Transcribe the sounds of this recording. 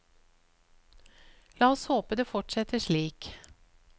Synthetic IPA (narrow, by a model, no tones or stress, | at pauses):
lɑːɔshoːpəd̪eːfɔʈsɛt̪əʃɭiːk